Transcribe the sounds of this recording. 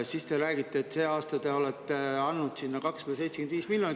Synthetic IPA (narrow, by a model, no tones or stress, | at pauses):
sist̪e̞ɾæːɡ̥it̪ːeːt̪ːseːɑːst̪ɑt̪e̞o̞lɛt̪ːˑe̞ɑnːud̪̥sinːɑkɑksːɑd̪̥ɑs̬e̞jt̪se̥kend̪viːsmiljoni